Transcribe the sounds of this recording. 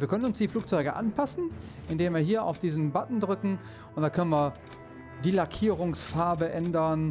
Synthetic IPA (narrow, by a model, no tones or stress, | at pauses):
viːɐkœnənʊnsd̥iːfluːk̚t͡sɔʏɡəʔa̰npʰasn̩ | ʔɪndeːmviːɐɦiːɐa̰ʊfd̥iːzn̩batn̩dʁʏkŋ̩ | ʊntd̥akʰœnənviːɐ | diːlakʰiːʁʊŋsfaɐbəʔɛndɐn